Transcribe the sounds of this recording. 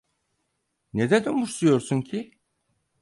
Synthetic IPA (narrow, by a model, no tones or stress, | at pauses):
ned̪ed̪immuʃsujoɾsuncʰi